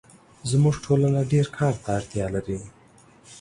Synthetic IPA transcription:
zmuʐʈʰolanaɖeɾkʰɑɾt̪ʰaːɾt̪jɑlaɾi

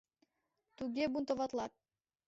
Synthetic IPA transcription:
t̪uɡʲebunt̪ovɑt̪lˠɑt̪̚

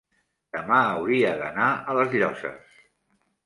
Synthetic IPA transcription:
d̪̥əmaəwɾiəðənaələzʎɔsə̰s

